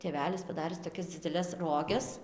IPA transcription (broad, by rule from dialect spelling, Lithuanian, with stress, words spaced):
tʲeːˈʋʲæːlʲɪs pɐˈdɑːrʲɪs toːˈkʲɛs d͡zʲɪdʲɛˈlʲɛs ˈroːɡʲɛs